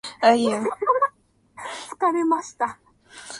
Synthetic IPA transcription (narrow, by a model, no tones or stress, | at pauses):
aja | t͡sɨ̥kaɾemaɕi̥t̪a